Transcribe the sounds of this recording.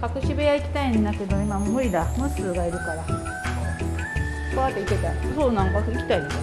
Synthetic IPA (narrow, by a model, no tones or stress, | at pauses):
kakɯ̟ɕibejaikʲi̥t̪aĩnd̪ake̞d̪o̞imamɯ̟ɾʲid̪amɯ̟sɨːɡaiɾɯ̟kaɾa | kaβat̪ːeik̪et̪asoːnãŋkaikʲi̥t̪ai